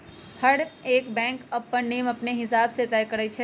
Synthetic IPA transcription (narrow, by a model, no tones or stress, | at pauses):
hɐɽeːkbɛ̃ːŋkɐpːənniːmɐpneɦɪsaːbset̪ɛːjkɐɾəit͡ʃʰɛ